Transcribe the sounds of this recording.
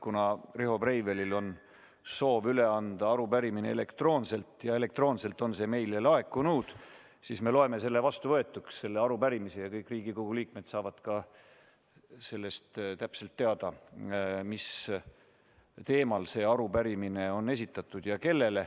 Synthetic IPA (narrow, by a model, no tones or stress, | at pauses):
kunɑreɦo̞prejvelilo̞n | so̞ːvyle̞ɑnd̪ɑɑɾupæɾimineele̞kt̪ro̞ːnse̞lt̪ˑjɑe̞le̞k̚t̪ro̞ːnse̞lt̪ːˑo̞nse̞ːme̞jlelɑe̞kːˑunuːd̪̥ | siːsme̞lo̞eme̞se̞lːe̞vɑst̪uvɤe̞t̪ːˑuksːe̞lːeɑɾupæɾimisejɑkɤjkːˑriːɡiko̞ɡ̥uliːk̚me̞d̪̥sɑːvɑd̪̥kɑ | se̞lːe̞st̪t̪æpse̞lt̪ːe̞ɑd̪̥ɑ | mis | t̪e̞ːmɑlse̞ːɑɾupæɾimine̞o̞nːe̞s̬ʲit̪ːˑɑt̪ːˑud̪̥jɑke̞lːe̞le̞